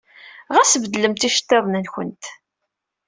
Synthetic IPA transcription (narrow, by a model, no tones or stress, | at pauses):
ʁæsəvəd̪ləmt̪iʃə̥t̪ːɪðˤnəlçə̰nt̪